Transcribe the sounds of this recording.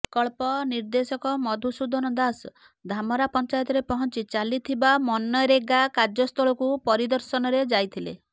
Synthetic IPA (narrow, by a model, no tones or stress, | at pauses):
kɔɭpɔniɾd̪esɔkɔmɔd̪ʱusud̪ʱɔnɔd̪as | d̪ʱamɔɾapɔnt͡ʃajɔt̪ɔɾepɔɦɔnt͡ʃit͡ʃalit̪ʰibamɔnːɔjɾeɡakad͡ʒɔst̪ʰɔɭɔkupɔɾid̪ɔɾsɔnɔɾed͡ʒajt̪ʰilḛ